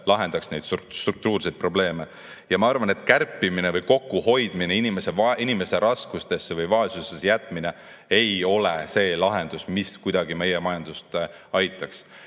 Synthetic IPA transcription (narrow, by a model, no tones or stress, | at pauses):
lɑɦe̞nd̪̥ɑksne̞jd̪̥sst̪ruk̚t̪uːrsejd̪̚pro̞ble̞ːme̞ | jɑmɑɑrvɑnet̪kærpːˑimine̞vɯjko̞kːuho̞jd̪̥mineinime̞se̞vinime̞se̞ɾʔɑskust̪e̞sːevɯjvɑesust̪esjæt̪ːˑmine̞ | ejo̞le̞se̞ːlɑɦe̞nd̪̥usmiskujd̪̥ɑɡime̞jemɑjɑnd̪̥ust̪ɑjt̪ːˑɑks